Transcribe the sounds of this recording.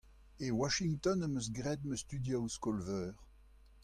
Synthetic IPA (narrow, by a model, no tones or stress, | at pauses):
ewaʃiŋt̪ɔnəmøs̬ɡʁɛd̪møst̪yd̪jawskɔlvœːʁ